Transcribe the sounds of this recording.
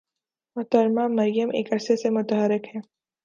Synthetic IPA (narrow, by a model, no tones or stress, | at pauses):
mʊt̪əɾmaːmɐɾjəmʔeːkɐɾsesemʊt̪əɦəɾɪkɦɛ̃ː